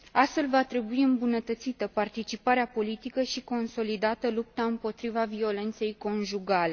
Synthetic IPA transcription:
ast̪fe̞lvat̪ɾe̞buiɨmbunət̪ət̪sit̪əpart̪it͡ʃipaɾeapo̞lit̪ikəʃiko̞nso̞lid̪at̪əlup̚t̪aɨmpo̞t̪ɾivavio̞le̞nt̪se̞jko̞nʒuɡale̞

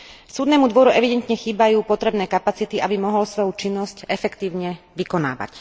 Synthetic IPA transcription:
suːd̪nɛːmud̪ʋɔɾuʔɛʋid̪ɛnt̪ɲɛxiːbajuːpɔt̪ɾɛbnɛːkapat͡sit̪iʔabimɔɦɔlsʋɔjut͡ʃinːɔscɛfɛkt̪iːʊɲɛʋikɔna̰ːʋa̰c

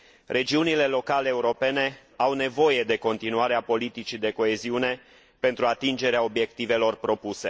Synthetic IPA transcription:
rʔe̞d͡ʒiunile̞lo̞kaleːuɾo̞pe̞ne̞ | awne̞vo̞je̞d̪e̞ko̞nt̪inuaɾeapo̞lit̪it͡ʃid̪e̞ko̞e̞ziune̞ | pe̞nt̪ɾuat̪ind͡ʒe̞ɾeao̞bje̞k̚t̪ive̞lo̞rpɾo̞puse̞̰

